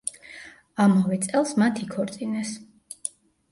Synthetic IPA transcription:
amɔvɛt̪sʼɛlˠsmat̪ʰikʰɔɾt̪sʼinɛs

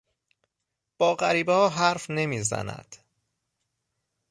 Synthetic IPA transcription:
b̥ɒːɢæɾiːbhɒːɦæɾfne̞miːzæ̰næ̰d̪̥

